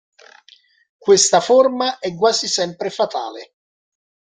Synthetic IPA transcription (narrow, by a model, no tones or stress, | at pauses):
kwest̪aformaʔɛkːwaːzisɛmpɾefat̪a̰ːle